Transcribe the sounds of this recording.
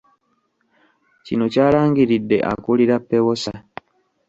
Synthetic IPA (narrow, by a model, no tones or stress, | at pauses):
cino̞caːlaːŋɡiɾidːe̞̰ʔa̰kuliɾapːewosa